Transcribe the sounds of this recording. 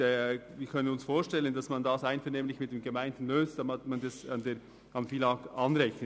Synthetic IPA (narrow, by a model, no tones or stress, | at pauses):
viːkʰœnənʊnsfoːʃtɛlənd̥ɑsmɑndɑsaɪnfɛɐneːmlɪçmɪtd̥eːmɡemaɪndn̩løːstd̥ɑmatmɑndɛsɑndeː | kɑnfiːlɑːk̚tɑnɾɛçə